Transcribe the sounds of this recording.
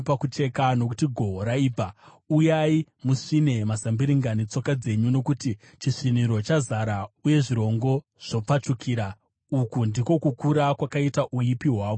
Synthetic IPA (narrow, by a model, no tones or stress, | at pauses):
pakut͡ʃe̞kano̞kutiɡʱo̞ɦɾaiːb͡va | ujai | muʂine̞masambiɾiŋɡanit͡so̞kad͡ze̞ɲuno̞kuti | t͡ʃiʂiniɾo̞t͡ʃazaɾauje̞ʐiɾo̞ŋɡo̞ | ʐ̥o̞p͡fat͡ʂukʰiːɾa | ukundiko̞kukuɾakwakaitaʔuipiɦwaːʋo